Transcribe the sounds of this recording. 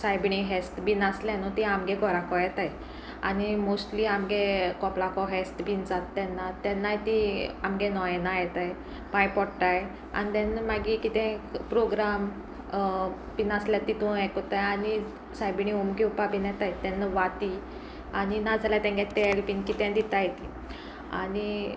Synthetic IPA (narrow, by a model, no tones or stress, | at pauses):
sajbɳiɦɛsʈbinasljãnɔt̪iamɡɛɡʱɔɾakɔjɛt̪aj | a̰nimosʈliamɡekɔplakɔɦɛsʈbind͡zat̪ːɛnːat̪ɛnːajt̪iamɡɛnɔjenajɛt̪aj | pãjpɔɽʈaj | a̰nid̪ɛ̃nmaɡikit̪ɛ̃pɾoɡɾam | pinasljat̪it̪ũakɔt̪ajani | sajbiniumkiupabinɛt̪ajt̪ɛnːaʋat̪i | aninad͡zljat̪ɛ̃ŋɡɛt̪elpinkit̪ɛ̃d̪it̪ajɛt̪i | a̰ni